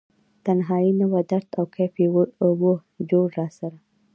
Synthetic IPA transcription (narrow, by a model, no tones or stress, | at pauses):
t̪anɦɑjinawad̪aɾt̪awkafibo | d͡ʒoɽɾɑsaɾa